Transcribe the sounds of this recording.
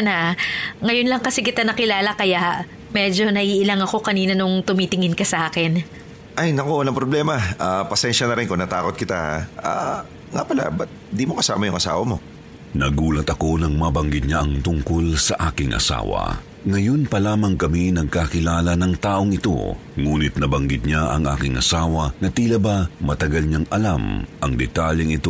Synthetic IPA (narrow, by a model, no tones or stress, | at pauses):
nɐŋɐjonlɐŋkɐsikɪt̪anɐkɪlaːlɐkɐjaʔ | mɛd͡ʒo̞nɐʔiːʔɪlaŋɐko̞kɐniːnɐnoŋt̪ʊmit̪ɪŋɪnkɐsɐʔaːkɪn | ʔajnɐkowɐlaŋpɾoblɛːmɐaːpɐsɛnʃɐnɐɾɪnkʊŋnɐt̪aːko̞t̪̚kɪt̪aha̰a̰ | ŋa̰pɐla̰bɐt̪̚nd̪imokɐsa̰ːmɐjʊŋʔɐsa̰ːwɐmo̞̰ | nɐɡuːlɐt̪ɐko̞nɐŋmɐbɐŋɡɪd̪̚ɲaʔɐŋt̪ʊŋko̞lsɐʔaːkɪŋʔɐ̰sa̰ːwɐ̰ | ŋɐjo̞npɐlaːmɐŋkɐminɐɡ̚kakɪlaːlɐnɐŋt̪aːʔo̞ŋɪt̪o̞̰ | ŋuːnɪt̪̚nɐbɐŋɡɪd̪̚ɲaʔɐ̰ŋʔaːkɪŋʔɐ̰saːwɐnɐt̪ilɐbɐmɐt̪ɐɡɐlɲaŋʔɐlamʔɐŋd̪ɛt̪aljɛŋɪt̪o